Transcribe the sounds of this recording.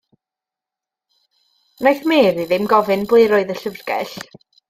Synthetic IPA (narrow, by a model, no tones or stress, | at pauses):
najθmeːɾiðɪmɡɔvɨnblˠɨjɾɔɨðəɬəvrɡ̥ɛ̰ɬ